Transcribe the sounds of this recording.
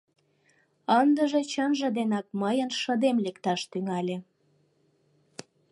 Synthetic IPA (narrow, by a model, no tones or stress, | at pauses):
ənd̪əʒet͡ɕənʒə̆d̪enɑk̚məjənʃəd̪emlekt̪ɑʃt̪yŋɑlʲe